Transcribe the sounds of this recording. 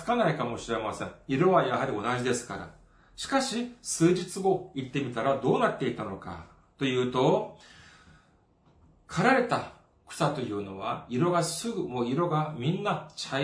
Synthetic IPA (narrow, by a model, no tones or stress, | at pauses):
kanaikamo̞ɕiɾe̞masẽ̞ŋiɾo̞βajaɦaɾʲio̞naʑid̪e̞sɨ̥kaɾa̰ | ɕi̥kaɕisɨːʑit͡sɨɡo̞it̪ːe̞mʲit̪aɾad̪o̞ːnat̪ːe̞it̪ano̞ka̰ | t̪o̞jɯ̟ːt̪o̞ | kʰaɾaɾe̞t̪a | kɯ̟̥sat̪o̞jɯ̟ːno̞βa̰iɾo̞ɡasɨɡɯ̟mo̞ːiɾo̞ɡamʲĩnːat͡ɕa